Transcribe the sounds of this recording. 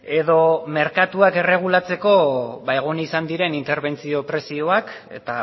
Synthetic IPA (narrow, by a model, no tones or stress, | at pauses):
e̞ðo̞me̞ɾkat̪uake̞re̞ɣ̞ulat͡se̞ko̞βaeɣ̞onisand̪iɾe̞nint̪e̞ɾβe̞nt͡sio̞pɾe̞sio̞ak | e̞̰t̪a